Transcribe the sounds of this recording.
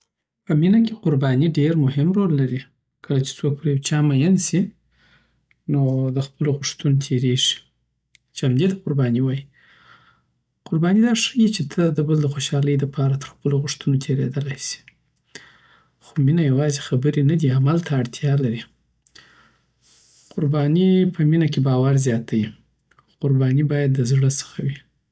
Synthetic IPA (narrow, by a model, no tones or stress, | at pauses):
pəminakʲeqʊɾbɑniɖeɾmʊhɪmɾolːaɾi | kʰəlat͡ʃe̥t͡sok̚pəɾjawt͡ʃɑmajansi | nod̪əxpəloɣʊʂt̪unt̪ʰeɾeʐi̥ | t͡ʃamd̪et̪aqʊɾbɑniwɑji | qʊɾbɑnid̪ɑʂəjit͡ʃet̪ʰəd̪əbəld̪əxoʃɑləjd̪əpʰɑɾat̪əɾxpəloɣʊʂt̪unot̪ʰeɾḛd̪əlajsi̥ | xominajawɑzexabəɾenad̪iamalt̪ʰaːɽt̪ʰjɑlaɾi | qʊɾbɑnipəminakebɑwaɾzjɑt̪ʰaji | qʊɾbɑnibɑjad̪ːəzɽəsə̥xawi